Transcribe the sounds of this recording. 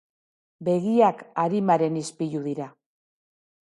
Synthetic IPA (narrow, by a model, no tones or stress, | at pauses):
be̞ɣiakaɾimaɾe̞nispijuðiɾa